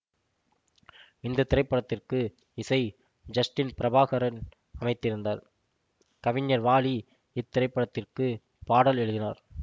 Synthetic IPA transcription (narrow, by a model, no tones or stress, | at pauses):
ɪnd̪ɐt̪ːɪɾɐɪpːɐɽɐt̪ːɪrkɯ | ɪsɐɪ | d͡ʒɐsʈɪnpɪɾɐbaːɣɐɾɐn | ɐmɐɪt̪ːɪɾɯnd̪a̰ːɾ | kɐʋɪɲjɐɾʋaːli | ɪt̪ːɪɾɐɪpːɐɽɐt̪ːɪrkɯ | paːɽɐlɛɻɯðɪna̰ːɾ